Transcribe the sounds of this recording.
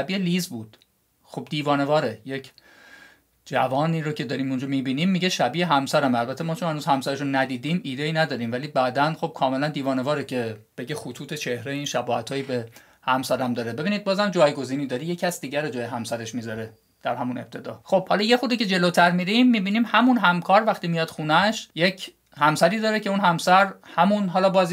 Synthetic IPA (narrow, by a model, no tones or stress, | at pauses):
ʃæbieliːzbuːd̪̥ | xob̚d̪iːvɒːne̞vɒːɾeje̞cʰ | d͡ʒævɒːniɾocʰe̞d̪ɒːɾiːmund͡ʒɒmiːbiːniːmːiɟeʃæbiːeɦæmsæɾæmælbæt̪ʰemɒːt͡ʃʰonhænuːz̥hæmsæɾeʃunːæd̪iːd̪iːmiːd̪eiːnæd̪ɒːɾiːmvæliːbæːd̪ænxo̞b̥̚kʰɒːme̞lænd̪iːvɒːnevɒːɾecʰe̞b̥e̞ɟexut̪ʰuːt̪ʰet͡ʃʰe̞hɾeiːnʃæbɒːhæ̰t̪ʰɒːjiːbe | hæmsæɾæmd̪ɒːɾe̞be̞biːniːd̪̚bɒːzæmd͡ʒɒːjɡo̞ziːniːd̪ɒːɾiːje̞cʰæsd̪iːɟæɾod͡ʒɒːjeɦæmsæɾe̞ʃmiːzɒɾe | d̪̥æɾhæmune̞̰b̚t̪ʰe̞d̪ɒːχo̞b̥hɒlɒje̞xuɾd̪iːcʰe̞d͡ʒe̞lot̪ʰæɾmiɾimːiːbiːniːmhæmunɦæmkʰɒːɾvæxt̪iːmijɒːd̪̥xuːnæʃjecʰ | hæmsæɾiːd̪ɒːɾecʰe̞unhæmsæɾhæmunɦɒːlɒːbɒːz